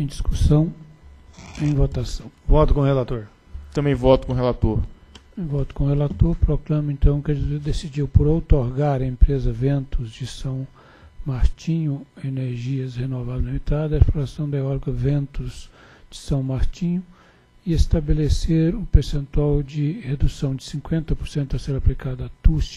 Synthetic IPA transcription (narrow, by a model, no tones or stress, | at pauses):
ẽj̃d͡ʒisku̥sɐ̃w̃ | ẽj̃vot̪asɐ̃w̃vɔt̪ʊkõhelat̪oɾ | t̪ɐ̃bẽj̃vɔt̪ʊkõɦelat̪oɾ̃ | vɔt̪ʊ̥kõhelat̪oɾpɾoklɐ̃mẽnt̪ɐ̃w̃kɛd͡ʒuzeɾd̪esid͡ʒiwpʊɾowt̪oɾɡaɾɐẽmpɾezɐvẽnt̪ʊzd͡ʒɪsɐ̃w̃ | maɾt͡ʃĩɲʊeneɾʒiɐshenovavzlimit̪ad̪ɐesploɾasɐ̃w̃d̪ɐɔɾkɐvẽnt̪ʊz̥ | d͡ʒɪsɐ̃w̃maɾt͡ʃĩɲʊ | ɪest̪abeleseɾʊpeɾsẽnt̪uawd͡ʒɪhed̪usɐ̃w̃d͡ʒɪsĩŋkwẽnt̪ɐpoɾsẽnt̪ʊaseɾaplikad̪at̪us